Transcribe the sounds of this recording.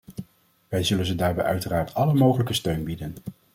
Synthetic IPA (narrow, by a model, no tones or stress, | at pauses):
ʋɛjzɵlənzədaːɹbɛ̰jʔœɥtəraːɹtʰɑləmowχələkəstøɥnbidən